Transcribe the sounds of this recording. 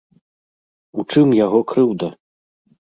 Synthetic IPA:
ut͡ʂɨmjaɣɔkɾɨwd̪ɐ

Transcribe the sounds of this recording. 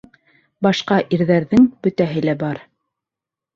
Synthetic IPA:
bɑʃqɑʔiɾðæɾðɘŋbɵ̆t̪æɦɘlæbɑɾ

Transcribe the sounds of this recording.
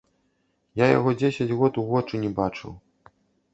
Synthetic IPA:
jaja̰ɣɔd͡zʲesʲɐd͡zʲɣɔt̪uɣɔt͡ʂunʲɛbat͡ʂɨ̰w

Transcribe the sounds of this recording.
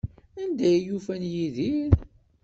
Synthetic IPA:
ænd̪æjjufænjiðiɾ

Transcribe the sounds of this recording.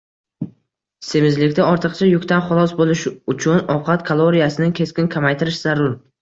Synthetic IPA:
se̞mɪzlɪkʲt̪aɒɾt̪ʰɨqt͡ʃʰajʊkʲt̪anχʊlˠɒsbolˠɪʃʊt͡ʃʰʊnɒqʰɑt̪kʰalˠoɾijasɪnɪkʲʰe̞skʲɪnkʲʰamajt̪ʰɪɾɪʃz̥aɾʊɾ

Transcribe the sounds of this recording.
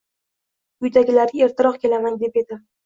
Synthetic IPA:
ʊjd̪aɡʲɪlaɾɪe̞ɾt̪ʰɪɾɒqkʲʰe̞lamand̪e̞pe̞d̪ɪ

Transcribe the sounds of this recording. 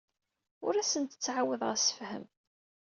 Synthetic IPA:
ʊɾæsənt̪ə̥t͡sːʕawːəðˤʁæsə̥fhə̰m

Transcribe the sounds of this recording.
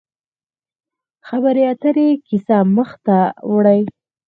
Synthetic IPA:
xabaɾeat̪əɾekisaməxt̪awɽəj

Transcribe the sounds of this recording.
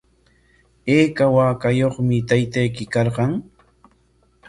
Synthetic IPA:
eːkawaːkajoχmɪt̪ajt̪ajkɪkɑɾqɑŋ

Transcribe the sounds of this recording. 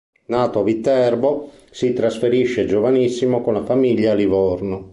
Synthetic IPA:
naːt̪oavit̪ːɛrbo | sit̪ɾasfeɾiʃːed͡ʒovanisːimokonafamiʎːaːlivɔrno

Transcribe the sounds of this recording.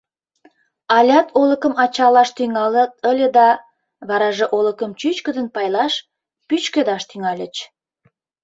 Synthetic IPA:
ɑlʲɑt̪ʰoləkəmɑt͡ɕɑlɑʃt̪yŋɑlət̪əlʲed̪ɑ | βɑɾɑʒeʔoləkəmt͡ɕyt͡ɕkə̆d̪ənpɑjlɑʃ | pyt͡ɕkød̪ɑʃt̪yŋɑlʲə̰t͡ɕ

